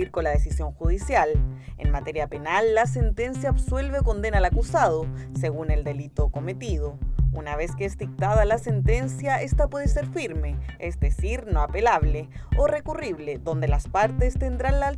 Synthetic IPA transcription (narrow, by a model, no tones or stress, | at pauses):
iɾkolaðesisjo̞ŋxuðisjalḛnmat̪eɾjape̞nalːas̬e̞nt̪e̞nsjaːβswe̞lβeoko̞nd̪enalakusað̞oseɣune̞ld̪e̞lit̪okome̞t̪ið̞ounaβeskeesd̪ik̚t̪aðalasent̪e̞nsjae̞st̪apwe̞ð̞eseɾfiɾmeesd̪esiɾnoapelaβleore̞kuriβleðo̞nd̪elaspaɾt̪est̪end̪ɾanla